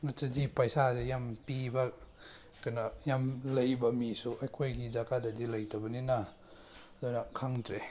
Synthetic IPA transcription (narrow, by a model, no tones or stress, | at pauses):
nat͡ʃɐdipajsazejampibɐ | kajnajamlɐjbɐmisuɐjkʰojɡizakadadilɐjtɐbɐnina | dunɐkʰaŋdɾe